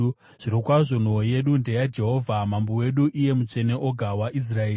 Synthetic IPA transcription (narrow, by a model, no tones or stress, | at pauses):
ʐ̥iɾokwaʐo̞n̤oje̞ɗunde̞jad͡ʒe̞ɦo̞ːvʱamambowe̞ɗuʔije̞mut͡ʂe̞ne̞ʔo̞ɡʱawaʔis̬raeː